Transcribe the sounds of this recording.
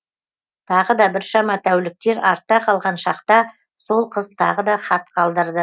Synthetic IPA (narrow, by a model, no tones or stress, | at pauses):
t̪ʰɑʁəd̪ɑbɪɾʃɑmɑt̪ʰæwlɪk̚t̪e̞ɾɑ̰ɾt̪ːɑqʰɑlˠʁɑnʃɑqt̪ɑ | so̞lˠqʰəzt̪ʰɑ̰ʁəd̪ɑχɑt̪̚qʰɑlˠd̪əɾd̪ə